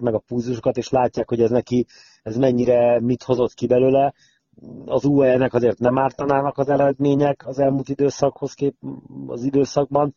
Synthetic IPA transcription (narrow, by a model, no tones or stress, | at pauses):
kmɛɡɒpuzuʃo̞kɒt̪eːʃlaːcːaːkho̞ɟɛznɛki | ɛzmɛɲːiɾɛmit̪ho̞zo̞t̪kibɛløːlɛ | ɒzuːɛlnɛkɒzeːrt̪nɛmaːrt̪ɒnaːnɒkɒzɛɾɛd̪meːɲɛkʰɒzɛlmult̪id̪øːsɒkho̞skeːɒ̰zid̪øːsɒɡ̚bɒn